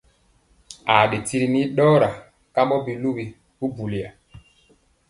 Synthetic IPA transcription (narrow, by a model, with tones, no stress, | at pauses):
a˨ɗe˨ti˦ɾi˨ni˦ɗɔː˦ɾa˨ | ka˦mbɔ˦bi˨lu˦bi˨ | bu˦bu˨li˨a˨